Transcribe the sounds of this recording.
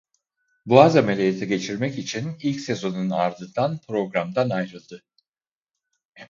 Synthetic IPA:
blˠazamelʲejet̪ʰiɟe̞t͡ʃʰiɾmɛcit͡ʃʰinilʲcse̞zo̞nunaɾd̪ɯnd̪anpʰɾo̞ɡɾamd̪anajɾɯlˠd̪ɯ

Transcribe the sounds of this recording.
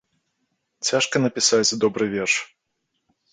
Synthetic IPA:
t͡sʲaʂkɐnɐpʲisat͡sʲd̪ɔbɾɨvʲɛrʂ

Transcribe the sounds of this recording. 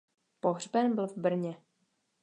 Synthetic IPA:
poɦr̝bɛnbɪlvbr̩ɲɛ

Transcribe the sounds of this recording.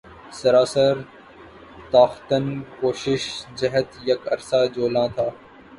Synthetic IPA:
sɐɾaːsəɾ | t̪aːxt̪ənkoːʃɪʃd͡ʒɐɦət̪jɐkɐɾsaːd͡ʒoːlãt̪ʰaː

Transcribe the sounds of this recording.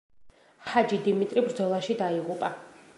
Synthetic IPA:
had͡ʒid̪imit̪ʼɾibɾd̪zɔlˠaʃid̪aiʁupʼa

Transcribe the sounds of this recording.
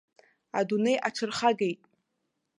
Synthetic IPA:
a̰dunejʔaʈ͡ʂʰɨrχaɡejtʼ

